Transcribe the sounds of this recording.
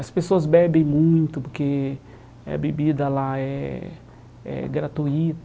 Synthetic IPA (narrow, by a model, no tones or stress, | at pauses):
ɐspesoɐzbɛbẽj̃mũj̃t̪ʊpoɾke | ɐ̰bebid̪ɐlaɛ̰ | ɛ̰ɡɾat̪uit̪